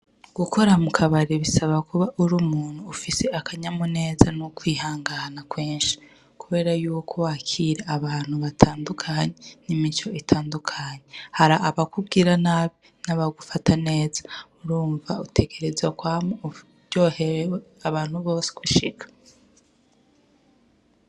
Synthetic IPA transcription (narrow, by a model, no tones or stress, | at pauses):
ɡ̥ukʰo̞ɾamukʰaβaɾiβisaβakuβaʔuɾumuːn̥huːfise̞akaɲamune̞ːzanukwiːhaːŋɡanakweːnʃi̥ | kuβe̞ːɾajuːwokʰowaːkʰiɾeaβaːn̥huβatʰaːndukʰaɲenimit͡ʃo̞itʰaːndukʰaɲe̞haɾaʔːβakubɡiɾanaːβi | naβaɡufatʰane̞ːzḁuɾuːɱvautʰe̞ɡe̞ɾe̞zakwaːmwe | ɟo̞ːhe̞ɾeweaβaːn̥huβo̞ːsi̥kuʃikʰḁ